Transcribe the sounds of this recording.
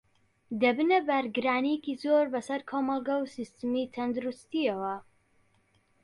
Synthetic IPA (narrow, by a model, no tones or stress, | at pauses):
d̪ɐbɨnɐbɐɾɡɨɾaːnijekizoɾbɐsɐɾkʰoːmɐlˠɡɐwsist̪ɨmit̪ʰɐnd̪uɾust̪iɐwɐ